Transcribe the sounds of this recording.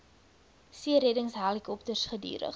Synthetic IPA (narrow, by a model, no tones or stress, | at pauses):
siəɾɛdəŋsɦaːlikɔp̚tərsχədy̰ːɾə̰χ